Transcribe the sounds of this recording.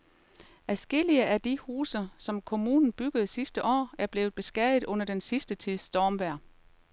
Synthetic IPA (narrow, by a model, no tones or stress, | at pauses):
æsɡ̥e̝l̰iəʔæd̥ihuːsɐsɒ̽mkʰo̝mṵːnn̩b̥yɡ̥əð̞̩ˠsisd̥əʔɒ̰ːæɐb̥le̝ːʊð̩ˠb̥e̝sɡ̥æɐð̩ˠɔ̽n̰ɐd̥ensisd̥ət͡sʰið̰ˠsd̥ɒːmʋæɐ̰